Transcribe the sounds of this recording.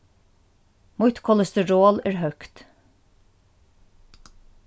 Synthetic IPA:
mʊt̪kʰɔləst̪əɹoːlæːɹhœkt̪

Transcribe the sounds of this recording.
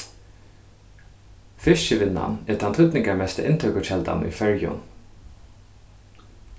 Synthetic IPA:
fɪʃəʋɪnːa̰nɛt̪ʰant̪ʰʏt̪nɪŋkaɹmɛst̪ə̰ʔɪnt̪ʰœkʊt͡ʃɛlt̪a̰nʏ̰jfœɹjʊ̰n

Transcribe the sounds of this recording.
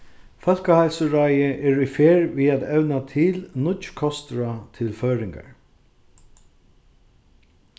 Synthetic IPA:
fœl̥kahajlsəɹajɪʔɛːɾʏjfeːɹviaðɛʋnat̪ʰɪlnʊt̪t͡ʃkʰɔst̪ɾat̪ʰɪlfœːɾɪŋka̰ɹ

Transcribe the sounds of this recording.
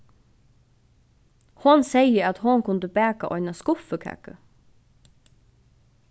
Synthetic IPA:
hʊnsɛjəæt̪ɦonkʰʊnd̪əbæːkaʔɔʏjnaskʊfəkʰɛ̰kə

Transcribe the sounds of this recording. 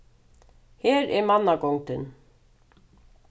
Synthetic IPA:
hɛːɾɛɾmanːakɔwŋt̪ɪn

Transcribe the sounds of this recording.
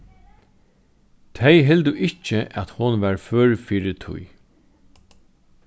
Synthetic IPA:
t̪ʰejɦɛld̪ʊʔɪt͡ʃːəʔæt̪hʊnʋæɹfœːɹfiːɾɪt̪ʰʊ̰j

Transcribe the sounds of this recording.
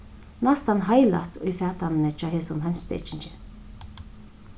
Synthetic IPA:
nast̪anɦajla̰t̪ʰʊjfɛːt̪ʰannət͡ʃɔːɦeːsʊnɦamspɛ̰ːt͡ʃɪnt͡ʃɪ

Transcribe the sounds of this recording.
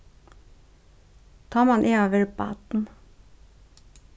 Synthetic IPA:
t̪ʰɑːmɑnʔeːɑːʋəɹbɑ̰ːt̪n̩

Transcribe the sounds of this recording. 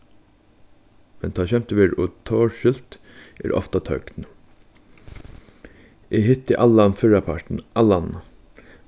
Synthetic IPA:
mɛnt̪ʰɑːçɛmt̪əʋeːɾɔt̪ʰoːɹʃʏl̥t̪ | ɛ̰ːɾɔ̰ft̪at̪ʰœkn | ʔɪɦɪt̪ːəʔalːanfɪɹapʰaɹʈ̪n̩ʔalːan

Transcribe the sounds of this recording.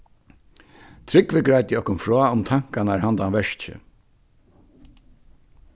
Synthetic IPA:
t̪ʰɾɪkʋɪɡɾajt̪ɪɔhkʊnfɾɔaʊmt̪ʰaŋ̥kanaɹhant̪anʋɛʂt͡ɕɪ̰

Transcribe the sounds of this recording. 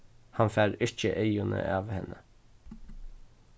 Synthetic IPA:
hɑnfæːɾɪc͡çəʔeʏʊnə̰ʔɑːʋhɛnə

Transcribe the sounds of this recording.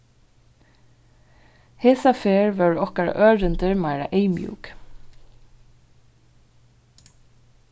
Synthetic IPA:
heːsɑfeːɹʋœːɹɔkəɹɑ̰ʔøːɹʏnd̪əɹmɑɪɹa̰ʔeɪmjʉ̰ːɡ̥

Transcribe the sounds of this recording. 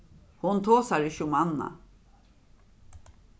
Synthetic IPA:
hʊnt̪ʰoːsaɾɪçʊmanːa̰

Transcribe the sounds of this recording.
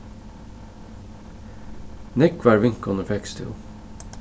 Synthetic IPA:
nɛkʋæːɹʋɪŋkɔnəfɛkst̪ʰɪ̰lˠ

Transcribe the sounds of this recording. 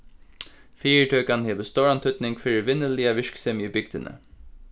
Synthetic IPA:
fiːəɹʈʰœːkanheːʋəst̪owɹant̪ʰʏt̪nɪŋkfɪɹɪʋɪnːəlɪaʋɪʂksɛmiːbʏk̚d̪ɪnə̰

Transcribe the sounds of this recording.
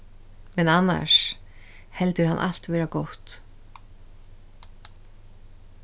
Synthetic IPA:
mɛnanːa̰ʂ | hɛlt̪ɪɾhanʔa̰l̥t̪vɛːɾakowht̪

